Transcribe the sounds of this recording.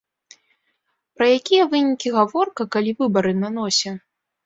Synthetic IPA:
pɾɐjakʲijɐvɨnʲikʲiɣavɔrkɐkalʲivɨbɐɾɨnan̪ɔsʲɐ

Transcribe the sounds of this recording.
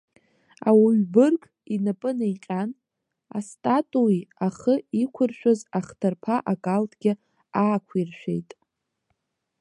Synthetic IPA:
a̰wuɥbɨrkʼ | inapʼɨnajqʲʼan | a̰stʼatʼuiaχəikʷʰʊrʃᶣazaχtʰarpʰaʔakʼaltʰʼɡ̥ʲɪ | aːkʷʰirʃʷᶣḛjtʼ

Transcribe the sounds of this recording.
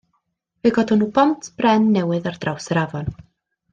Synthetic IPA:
veɡɔdɔnuːbɔntʰb̥rɛnːɛwɨðard̥rawsəɾavɔn

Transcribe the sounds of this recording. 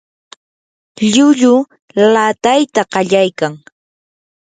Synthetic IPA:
ʎʊʎʊ | lat̪ajt̪aɢɑʎajkaŋ

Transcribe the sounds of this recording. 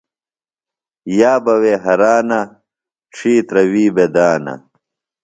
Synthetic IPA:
jaːbɐweːɦɐɾaːnɐ | ʈ͡ʂʰiːt̪ɾɐwiːbed̪aːnɐ̰

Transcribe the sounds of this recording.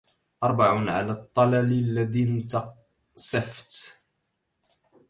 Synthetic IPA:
ʔɑɾˤbaʕʊnʕa̰laːt̪ˤːɑlallːad̪int̪ɑ | saft̪

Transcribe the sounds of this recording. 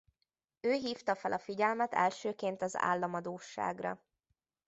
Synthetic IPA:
øːɦiːft̪ɒfɛlʔɒfiɟɛlmɛt̪ɛ̰lʃøːkeːnt̪ɒza̰ːlːɒmɒd̪oːʃːa̰ːɡrɒ̰

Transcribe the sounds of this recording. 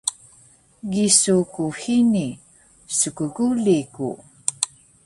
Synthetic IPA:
ɡisukuhini | səkəɡulikṵ

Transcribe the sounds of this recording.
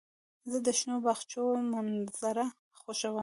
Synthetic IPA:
zəd̪əʃnobaxt͡ʃomanz̥aɾa | xoʃawəm

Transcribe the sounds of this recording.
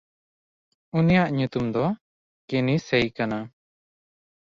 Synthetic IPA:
unijaʔɲut̪umd̪ɔ | kenisɛjkana

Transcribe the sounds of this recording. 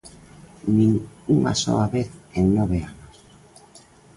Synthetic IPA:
nĩŋuŋa̰so̰aβeθennɔβ̞eanos

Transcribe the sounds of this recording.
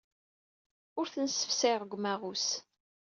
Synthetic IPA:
ʊɾθənsə̥fsɪʁˤəɡʷmæʁus

